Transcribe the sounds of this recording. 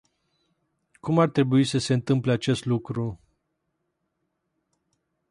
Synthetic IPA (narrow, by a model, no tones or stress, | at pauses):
kumart̪ɾe̞buisəse̞ɨnt̪ɨmpleat͡ʃe̞st̪lukɾu